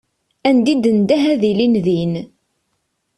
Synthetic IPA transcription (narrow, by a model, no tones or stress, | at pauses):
ænd̪id̪ənd̪æɦæðilinðin